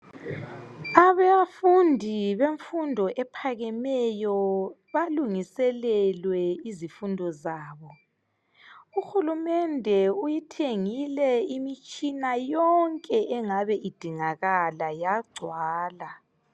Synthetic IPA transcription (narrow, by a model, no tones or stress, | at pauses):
aβɛjafundʱiβeɱfundʱɔʔɛpʰaɣɛmɛjɔ | βaluŋisɛlɛlwɛizifundʱɔzaːβɔ | uxulumɛndʱɛujitʰeŋilɛimit͡ʃʼinajɔŋkʼɛʔɛŋaβɛʔid̥ʱiŋaɣalajaɡ͡ǀʱwaːla